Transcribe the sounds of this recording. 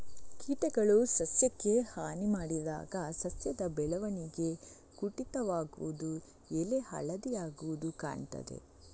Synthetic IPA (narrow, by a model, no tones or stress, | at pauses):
kiːʈɐɡɐɭusɐsjɐkːe̞haːnimaːɽid̪a̰ːɡɐsɐsjɐd̪ɐbɛɭɐʋɐniɡe̞ | kuʈit̪ɐʋaːɡuʋud̪u | elehɐ̰ɭɐd̪ijaːɡuʋud̪uka̰ːɳt̪ɐ̰d̪e̞̰